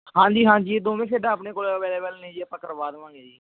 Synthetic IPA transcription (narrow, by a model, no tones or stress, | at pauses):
hãːɲd͡ʒiːɦãːɲd͡ʒiːd̪oːmẽːkʰeːɖãːpneːkoːlʋɛːleːʋɛlnə̃ĩːd͡ʒiːəpəkəɾʋaːd̪ʋãːŋɡeːd͡ʒiː